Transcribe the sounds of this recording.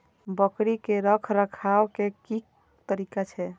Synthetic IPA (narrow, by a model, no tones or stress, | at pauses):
bəkɾikeɾəkʰɾəkʰawkekik | t̪əɾikat͡ʃʰɛ